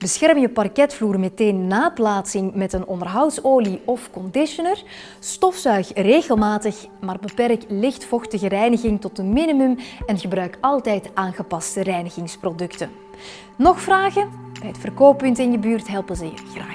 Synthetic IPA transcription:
bəsxɛrməjəpɑrkɛtfluːrmeteːnːaːplaːtsɪŋmɛtənɔndərɦɑwtsoːliɔfkɔndɪʃɔnər | stɔfsœɥxreːɣəlˠmaːtəx | maːrbəpɛrklɪxtfɔxtəɣərɛjnəɣɪŋtɔt̚əmɪnimymɛnɣəbrœɥkɑlˠtɛjtʔaːnɣəpɑstərɛjnəɣɪŋsprodɵktən | nɔxfraːɣənbɛjətfərkoːpːʏntɪnjəbyːrtɦɛlˠpənzəjə̰xraːx

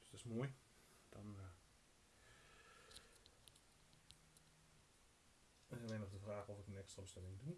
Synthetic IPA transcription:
d̥stɪsmoːj | d̥ɔn | ɪsəʋɛnɔfdəfraːxɔfɪkənɛkstrabəstɪmɪŋdun

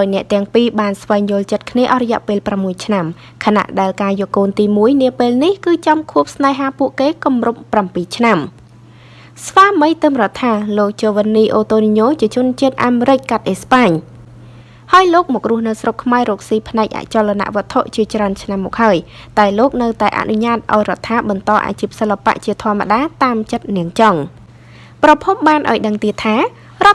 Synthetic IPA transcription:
ɗaɔjnɛ̆əʔt̪ɛ̆əŋpiːɓaːnsʋaɛŋjŭəlt͡ɕət̪̚kʰniəʔɑhrɔjɛ̆əʔpeːlpramːuəjt͡ɕʰnam | kʰana̰ʔɗaɛlkaːjoəʔkoːnt̪iːmuəjniəpeːlnihkɨːt͡ɕɑmkʰuəp̚snaɛɦaːpuəʔkeːkumrup̚ːrampiːt͡ɕʰnam | sʋaːməjt̪ɨmrət̪ʰːaːloːk̚t͡ɕoːʋənːiːʔoːt̪oːniɲoːt͡ɕiət͡ɕʊ̆ənt͡ɕiət̪̚ʔaːmeɾɪc̚kat̪̚ʔehspaːɲ | haəjloːk̚mɔːk̚rʊ̆əhnɨwsrokʰmaɛɾoːk̚siːpʰnaɛk̚ʔa̰ʔt͡ɕolːana̰ʔʋŏət̪ʰoʔt͡ɕiət͡ɕraənt͡ɕʰnamːɔːk̚haəj | t̪aɛloːk̚nɨwt̪aɛʔa̰ʔnuɲaːt̪̚ʔa̰ɔjrŏət̪ʰːaːɓɑnt̪ɑːʔa̰ːt͡ɕiːp̚səlːapa̰ʔt͡ɕiət̪ʰŏəmːa̰ɗaːt̪aːmt͡ɕət̪̚niəŋt͡ɕɑŋ | prɑpʰup̚ɓaːnʔa̰ɔjɗəŋt̪iət̪ʰaː | rŏət̪̚

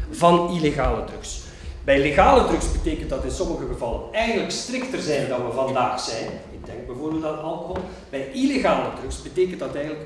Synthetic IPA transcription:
vɑnileɣaːlədrɵks | bɛjleɣaːlədrɵksbəteːkəntdɑtɪnsɔməɣəɣəvɑlˠənɛjɣələkstrɪktərzɛjndɑnʋəvɑndaːxz̥ɛjnɪɡ̚dɛŋɡ̚bɛjvoːrbeːlˠtatɑlˠkoɦɔlˠ | b̥ɛjileɣaːlədrɵksbəteːkəntdɑtɛjɣənlək

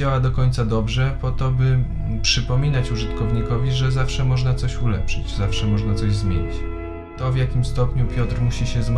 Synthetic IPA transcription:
awad̪ɔkɔɲt̪sad̪ɔbʐɛpɔt̪ɔbɘ | pʂɘpɔmʲinat͡ɕuʐɘt̪kɔvɲikɔvʲiʐɛzafʂɛmɔʐnat̪sɔɕulɛ̰pʂɘt͡ɕzafʂɛmɔʐnat̪sɔʑzmʲjḛɲit͡ɕ | t̪ɔvjakʲimst̪ɔpɲupʲjɔt̪ɾmuɕiɕɛzm

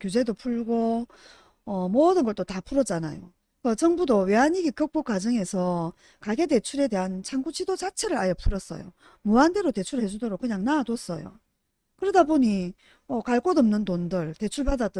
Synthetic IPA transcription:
kjud͡ʑe̞dopʰuɭɡo | ʌmʌdɯnɡʌɭt͈otapʰuɾʌt͡ɕ͈anajo | kʌt͡ɕʌŋbudowe̞ɦaɲiɡikɯk̚p͈ok͈ad͡ʑʌŋe̞sʰʌ | kaɡe̞de̞t͡ɕʰuɾe̞de̞ɦant͡ɕʰaŋɡut͡ɕʰidod͡ʑat͡ɕʰe̞ɾɯɾajʌpʰuɾʌs͈ʌ̰jo̰ | muande̞ɾote̞t͡ɕʰuɾɯɭhe̞d͡ʑudoɾok͈ɯɲaŋnaados͈ʌjo̰ | kɯɾʌdaboɲi | ʌkaɭk͈odɯmnɯntondɯɭte̞t͡ɕʰuɭpadat͈

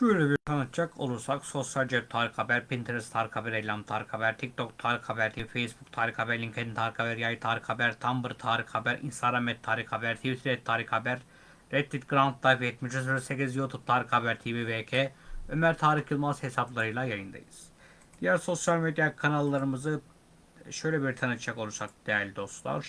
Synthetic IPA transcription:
b̥ylʲebiɾt̪ʰanat̪t͡ʃʰakʰo̞̰lˠuɾsakso̞sjalʲd͡ʒep̚t̪ʰaːɾixabæɾpʰint̪ʰeɾst̪ʰaːɾikabæɾejlʲamt̪ʰaːɾixabæɾt̪ʰik̚t̪ʰokt̪ʰaːɾixabæɾt̪ʰifejsbukt̪ʰaːɾixabæɾlʲiŋcʰed̪int̪ʰaːɾixabæɾjajɯt̪ʰaːɾixabæɾt̪ʰambɯɾt̪ʰaːɾixabæɾḭnst̪aɡɾamɛt̪ʰːaːɾixabæɾt̪ʰivit̪ʰiɾɛt̪ʰːaːɾixabæɾː | ɛt̪ːit̪ɡɾant̪d̪ˠajfɛt̪̚mid͡ʒɛsyɾɛsecʲizjut̪ʰup̚t̪ʰaːɾixhabæɾt̪ʰivivecʰeø̞mæɾt̪ʰaːɾixjɯlˠmazhesaplˠaɾɯjlˠajajɯnd̪a̰jɯz̥ | d̪̥ijæɾso̞sjalʲmed̪jakʰanalˠːaɾɯmɯzɯ | ʃø̞jlʲɛbiɾt̪ʰanɯt͡ʃʰako̞lˠud͡ʒak̚d̪̥ejæɾlʲid̪o̞st̪lˠa̰ɾ

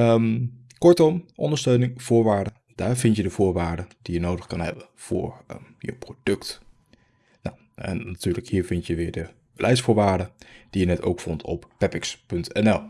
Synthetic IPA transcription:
əm | kɔɹtɔmʔɔndəɹstøɥnɪŋv̥ʊːɹʋaːɹdə | d̥aːɹvɪntjədəv̥ʊːɹʋaːɹdəd̥ijənowdəχkɑnɦɛ̰bənv̥ʊ̰ːɹjə̰wprod̥ɵkt | na̰w | ɛ̰nːatyːɹləkhiːɹvɪntjəʋɪːɹdə | bəlʔɛjsfʊːɹʋaːɹdəd̥ijənɛtowkfɔntʰɔ̰ppɛpɪkspɵntʰɛ̰nɛlˠ

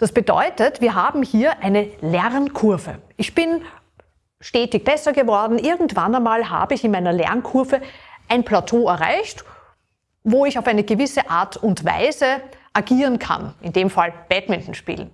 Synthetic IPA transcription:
d̥asb̥ədɔ̰ʏtətv̥iːɐɦaːbm̩hiːɐʔæɪnəlɛʁnkʰʊɐvə̰ʔɪçb̥ɪn | ʃteːtɪç̚b̥ɛsɐɡəvɔɐdn̩ʔɪɐɡŋ̩tv̥anamaːlɦa̰ːbəɪçɪnmaɪnɐlɛ̰ɐnkʰʊɐvəʔaɪnpʰlatʰoːɛɐʁa̰ɪçt | voːɪçaʊfæɪnəɡəvɪsəʔaːɐtʰʊntva̰ɪzəʔaɡiːʁənkʰa̰nɪndeːmfalb̥ɛtmɪntn̩ʃpḭːln̩

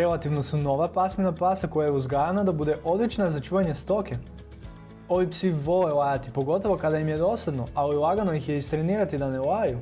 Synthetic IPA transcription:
ɾelat̪iʋnosuno̞ʋapasminapaːsako̞jajeuzɡaɾanad̪abud̪eʔo̞d̪lit͡ʃnazat͡ʃuːʋaɲe̞st̪o̞ke | oʋipsiʋo̞lelˠajat̪ipo̞ɡo̞t̪oʋo̞kad̪aimjed̪o̞sad̪no̞aoilˠaɡanoixjeist̪ɾeniːɾat̪id̪anelaːju

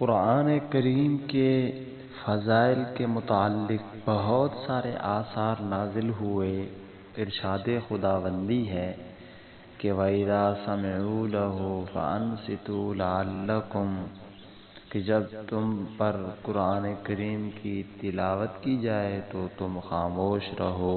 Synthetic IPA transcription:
kʊɾaːnekɐɾiːmke | fɐzaːɪlkemʊt̪aalːɪk̚ | b̥ɐɦɔt̪saːɾḛʔaːsaːɾnaːzɪlɦʊe | ɪɾʃaːd̪exʊd̪aːʋə̃nd̪iɦɛː | keʋɐɪðaːsɐmɪʕulɐɦufɐ̰ɐ̰nsɪt̪ulɪalːɐkʊm | ked͡ʒɐbt̪ʊmpɐɾkʊɾaːnekɐɾiːmkit̪ɪlaːʋət̪kid͡ʒaːet̪ot̪ʊmxaːmoːʃɾɐɦoː

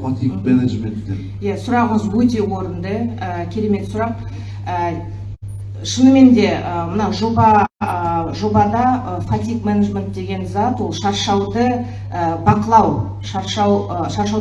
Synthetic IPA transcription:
fat̪ikmeneʒment̪ːe | jasʊɾɑʁəəzwɵt̪e̞wo̞ɾənd̪əəkʲʰe̞ɾe̞me̞t̪sʊɾɑq̚ | ə | ʃənəme̞nd̪e̞əmənɑʒo̞bɑ | ʒo̞bɑd̪ɑəfat̪ʲikmenaʒment̪̚d̪e̞ɡʲe̞nzɑt̪wo̞lˠʃɑɾʃɑwd̪ə | əbɑqəlˠɑw | ʃɑɾʃɑwʃɑɾʃɑw

